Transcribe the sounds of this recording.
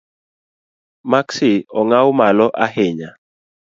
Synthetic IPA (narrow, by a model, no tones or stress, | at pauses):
maksiɔŋawmalɔʔaɦeɲa